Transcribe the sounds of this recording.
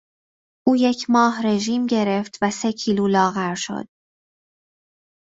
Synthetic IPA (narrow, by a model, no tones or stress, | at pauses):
ʔuːje̞cʰmɒːɦɾe̞ʒiːmɟe̞ɾe̞ft̪ʰvæse̞cʰiːluːlɒːɣæɾʃo̞̰d̪̥̚